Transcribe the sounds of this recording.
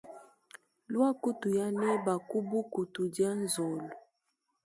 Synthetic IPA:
lwa˦ku˦tu˨ja˦nɛ˦ba˨ku˦bu˦ku˨tu˨dja˦n˦zo˨lo˨

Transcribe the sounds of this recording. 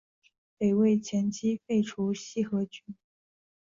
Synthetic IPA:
pe˨˩ɪwe˥˩ɪt͡ɕʰjɛ˧˥nt͡ɕi˥fe˥˩ɪʈ͡ʂʰu˧˥ɕi˥˩xɤ˧˥t͡ɕy˧˥n

